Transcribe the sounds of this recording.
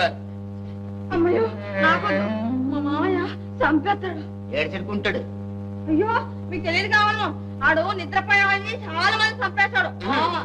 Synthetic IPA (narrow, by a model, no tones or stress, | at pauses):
ɐmːɐjoː | naːkoːd̪umɐmaːja | sɐmpɛt̪ːaːɽu | eːɾt͡ʃɐɽkuɳʈaːɽu | ɐjːoː | miːk̚ut̪eijɐd̪uɡaːunːɐ | ɐɽunit̪ɾɐpɐjaːɐnːit͡ʃaːlaːmɐnd̪isɐmpɛːsaːɽua